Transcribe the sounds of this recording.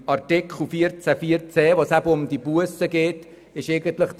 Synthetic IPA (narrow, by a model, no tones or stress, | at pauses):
ɑɾtɪkχl̩ˠfiəɾt͡sæfiːəɾt͡sɛːvoːsæbəʊmdibuəsəɡeːt | ɪʃeɪɡəntləχ